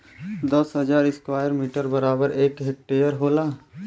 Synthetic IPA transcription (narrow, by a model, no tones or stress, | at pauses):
d̪əsɦɐd͡ʒaːɾɪskwaːjəɾmiːʈəɾbɐɾaːbəɾeːkɦek̚ʈeːjəɾɦoːlaː